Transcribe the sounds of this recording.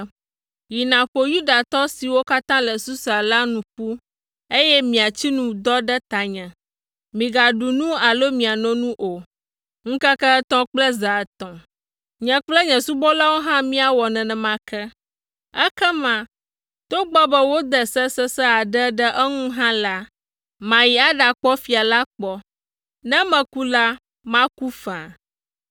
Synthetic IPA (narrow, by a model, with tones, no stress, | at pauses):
ji˨nã˨ɸo˨ju˦da˨t̪ɔ˦si˨wo˦ka˦t̪ã˦lɛ˨su˦sa˨la˦nũ˨ɸu˦ | e˦jɛ˦mĩ˨a˨t͡ɕi˦nũ˨d̪ɔ˦ɖɛ˦t̪a˨ɲɛ̃˨ | mĩ˨ɡa˨ɖu˨nũ˦a˨lo˦mĩ˨a˨nɔ̃˦nũ˦ʔo˨ | ŋ̩̃˦kɛ˦kɛ˦ɛ˦t̪ɔ̃˦k͡plɛ˦za˨t̪ɔ̃˨ | ɲɛ̃˨k͡plɛ˦ɲɛ̃˨su˦bɔ˦la˦wo˦ɦã˦mĩ˦a˨wɔ˨nɛ̃˨nɛ̃˨mã˦kʰɛ˦ | ɛ˦kɛ˦mã˨ | t̪o˦ɡ͡bɔ˦bɛ˦wo˦d̪ɛ˨sɛ˦sɛ˦sɛ˦a˨ɖɛ˦ɖɛ˦ʔɛ˦ŋũ˦ɦã˦la˦ | mã˨ji˨a˦ɖa˨k͡pɔ˦fi˨a˨la˦k͡pɔ˦ | nɛ̃˦mɛ̃˨ku˦la˦ | mã˦ku˦fa˨